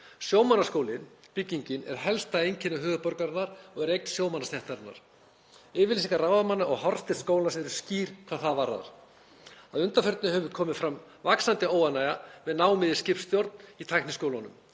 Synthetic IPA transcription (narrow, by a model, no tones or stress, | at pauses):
sjoːwmanaskoːwlɪnpɪcːiɲcɪnɛ̰ɾ̥ɦɛlst̪aejɲcʰɪnːaɦʏːɣʏpɔɾkaɾɪnːaɾ̥ɔɣɛɾejkt̪n̥sjoːwmanast̪jɛht̪aɾɪnːa̰ɾ̥ | ɪːvɪls̬iŋkaraːwðamanːaɔɣɦɔɾ̥st̪ɪ̥skoːwlnasɛɾʏ̥sciːɾ̥kʰvaːðθaðvaɾa̰ða̰ɾ̥ | aðʏnt̪afœɾt̪nʏhɛvʏɾkʰɔːmɪðfɾam | vaksant̪ɪoːwanajavɛðnaːwmɪðɪscɪpst̪jowɾt̪nit̪ʰajknɪskowlanʏ̰m